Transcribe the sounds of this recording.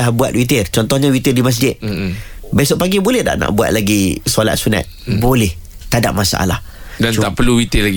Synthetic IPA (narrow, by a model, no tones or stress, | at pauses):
ahbua̰t̪̚wit̪̬ɪrt͡ʃɔnt̪ɔhɲawit̪erdimas̬d͡ʒɪt̪̚ | besoʔ̚paɡibolɛhda̰ʔna̰ʔbua̰t̪̚laɡisola̰t̪̚suna̰t̪̚bolɛht̪ada̰p̚masa̰ʔa̰la̰hdant͡ʃut̪aʔpəluwit̪ilaɡi